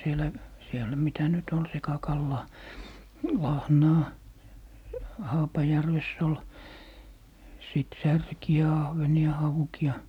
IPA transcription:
sielæ sielˑæ mitæ nyt ol sekɑkɑlːɑː lɑhnɑː hɑːpɑjærʋesː ol siˑt særkiæ ɑhʋeniɑ hɑukiɑ

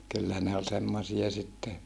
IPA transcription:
kylːæ ne olʲ semːosiɑ sitːe

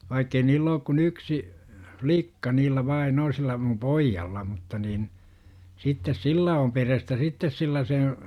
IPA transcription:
ʋɑikːei niːlː oːk kun yksi hʋlikːɑ niːlːæ ʋɑin o silːæ mum poijːɑlːɑ mutːɑ nin sitːes silːæ om perestæ sitːes silːæ sen̞

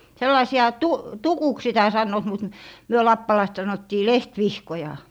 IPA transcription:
selːɑisiɑ tu tukuks sitæ sɑnːoːt mut myø lɑpːɑlɑist sɑnotːiː lehtʋihkojɑ

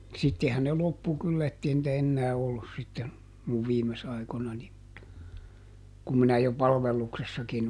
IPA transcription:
sitːehæn ne lopːu kylːæ etːei nĭtæ enːæː olːus sitːen muʋ ʋiːmes ɑikonɑni kum minæ jo pɑlʋelːuksesːɑkin

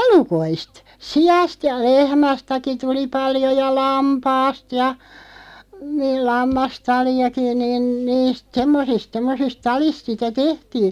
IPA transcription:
elukoist siɑst jɑ lehmæstæki tuli pɑljo jɑ lɑmpɑːst jɑ niːl lɑmːɑstɑliɑki niːn niːst semːosist semːosist tɑlist sitæ tehtiː

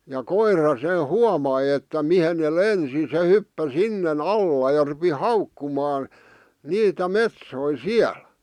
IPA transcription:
jɑ koirɑ se huɑmɑi etːæ mihen ne lensi se hypːæ sinːen ɑlːɑ jɑ rupi hɑukːumɑːn niːtæ metsoi siæl

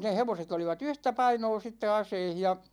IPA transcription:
ne heʋoset oliʋɑt yhtæ pɑinoː sitːe ɑseih jɑ

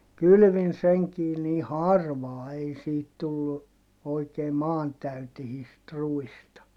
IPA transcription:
kyly̆ʋin seŋkiː niː hɑrʋɑː ei siːt tulːu oikeː mɑːntæytehiːst ruistɑ

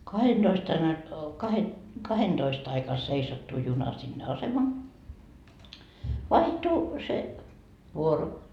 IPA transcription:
kɑhend̥oist ɑin ɑi kɑhe kɑhend̥oist ɑikɑ seisɑtːu junɑ sinːe ɑsemɑ ʋɑihtu se ʋuoro

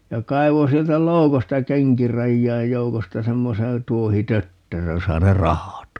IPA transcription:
jɑ kɑi̯ʋo sieltæ loukostɑ keŋkirɑjːɑij joukostɑ semːoseː tuohitøtːerøj josɑ ne rɑhɑt

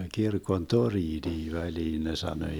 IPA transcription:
kirkon toriːniː ʋæliːn ne sɑno

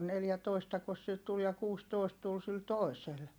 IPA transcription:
neljætoistɑkos sil tul jɑ kuːstoˑist tul sil toˑisel

